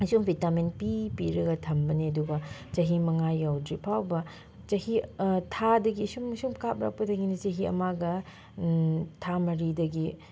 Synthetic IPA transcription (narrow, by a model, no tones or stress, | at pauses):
ɐsumbʱitamenpipiɾɐɡɐtʰɐmbɐniɐduɡɐt͡ʃɐɦimɐŋajːawdɾipʰawbɐ | t͡ʃɐhitʰadɐɡisumsumkap̚ɾa̰k̚pɐdɐɡinit͡ʃɐɦiɐ̰maɡɐ | tʰamɐɾidɐɡi